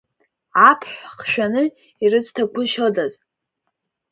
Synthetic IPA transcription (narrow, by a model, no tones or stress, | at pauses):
apʰħʷχʃᶣanɨ | irɨztʰakʷʰʊʃodaz